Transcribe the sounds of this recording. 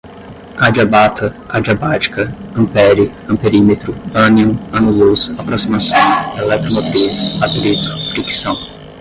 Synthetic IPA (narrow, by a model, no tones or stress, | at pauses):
ad͡ʒiabat̪ʰɐ | ad͡ʒiabat͡ʃi̥kɐɐ̃pɛɾjʊ | ɐ̃peɾimet̪ɾʊɐ̃niõɐnuluzapɾosimasɐ̃w̃elɛk̚t̪ɾomot̪ɾisat̪lit̪ʊ̥fɾiksɐ̃w̃